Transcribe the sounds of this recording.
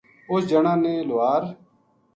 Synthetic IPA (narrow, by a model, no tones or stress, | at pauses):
oːd͡ʒəɳãːnẽːloaːɾ